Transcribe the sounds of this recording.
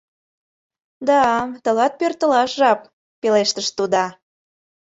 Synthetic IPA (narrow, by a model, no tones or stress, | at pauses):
d̪ɑt̪ə̆lɑt̪̚pørt̪ə̆lɑʃʒɑp̚ | peleʃt̪əʃt̪ud̪ɑ